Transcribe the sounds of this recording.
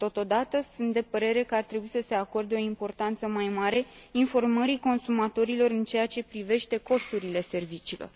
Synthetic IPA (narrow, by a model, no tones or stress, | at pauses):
t̪o̞t̪o̞d̪at̪əsunt̪̚d̪e̞pəɾe̞ɾe̞kəart̪ɾebuisəse̞ako̞rd̪eo̞impo̞rt̪ant̪səmajmaɾe̞ | info̞rməɾiko̞nsumat̪o̞ɾilo̞ɾɨnt͡ʃe̞jat͡ʃe̞pɾive̞ʃt̪e̞ko̞st̪uɾile̞se̞rvit͡ʃiːlo̞̰r